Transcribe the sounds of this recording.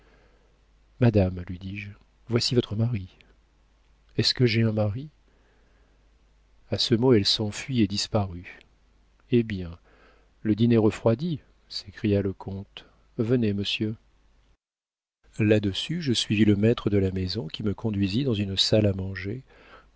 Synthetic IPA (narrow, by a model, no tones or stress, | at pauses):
mad̪amlɥid̪iʒ | vwasivɔt̪χəmaʁi | ɛskəʒeɛ̃maʁi | asəmoɛlsɑ̃fɥied̪ispaʁy | ebjɛ̃ | ləd̪ineʁəfχwad̪i | se̥kχijaləkʰɔ̃t̪ | vəneməsjø | lad̪əsyʒəsɥiviləmɛt̪χəd̪əlamezɔ̃kʲiməkʰɔ̃d̪ɥizid̪ɑ̃zynsalamɑ̃ʒe